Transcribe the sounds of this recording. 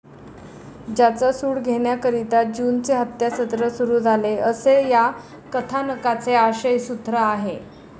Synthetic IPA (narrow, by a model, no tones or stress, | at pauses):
d͡ʑat͡sasuːɽɡʱeɳjakəɾit̪at̪̚d͡ʑuːnt͡seɦət̪jasət̪ɾəsuɾuːd͡zʱaleʔəseja | kət̪ʰanəkat͡seaɕəjsut̪ɾaːɦe